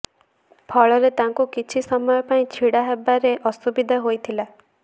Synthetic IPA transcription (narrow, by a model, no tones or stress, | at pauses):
pʰɔɭɔɾet̪aŋkukit͡ʃʰisɔmɔjɔpaĩt͡ʃʰiɽaɦebːaɾeʔɔsubid̪ʱaɦojt̪ʰila